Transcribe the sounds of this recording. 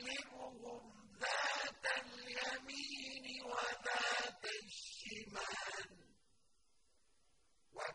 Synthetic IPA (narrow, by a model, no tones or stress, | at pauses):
lɪɢʊɢʊm | ðaːt̪anʎamiːnɪwaðaːt̪aʃɪmaːn | wa